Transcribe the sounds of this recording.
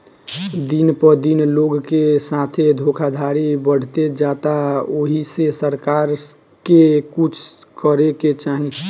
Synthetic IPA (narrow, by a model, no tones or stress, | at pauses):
d̪inpəɾd̪inloɡkesat̪ʰed̪ʱokʰad̪ʱaɾibəɽ̤t̪ed͡ʒaːt̪aoɦisesəɾkaːɾ | kekut͡ʃʰkəɾeket͡ʃaːɦĩ